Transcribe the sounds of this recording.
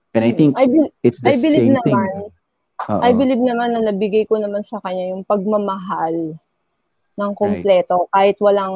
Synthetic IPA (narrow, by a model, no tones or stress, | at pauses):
ʔɛ̃nɐjθɪ̃ŋkʔɐjbɪt̪sɐjbɪlɪɡ̚nnɐman | o̰ʔʔɐjbɪlɪb̚nɐmanːɐnɐbɪɡajkonɐmansɐkɐɲːajʊŋpɐɡ̚mɐmɐɦal | nɐŋkomplɛːt̪o̞kaːhɪt̪wɐlaŋ